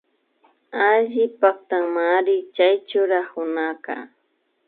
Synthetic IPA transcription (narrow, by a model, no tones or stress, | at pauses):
aʎɪpak̚t̪aŋmaɾɪt͡ʃajt͡ʃʊɾahʊnaka̰